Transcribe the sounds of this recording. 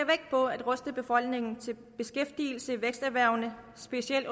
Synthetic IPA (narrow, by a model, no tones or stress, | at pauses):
ɐʋeɡ̥̚pʰɒ̽æd̥ʁɔ̽sd̥əb̥e̝fɒ̽l̰ɡ̥ne̝ŋn̩t͡sʰe̝l | b̥e̝sɡ̥efd̥iːl̩səʋeɡ̥sd̥æʋæɐ̰ʊ̰nə | sb̥e̝siel̰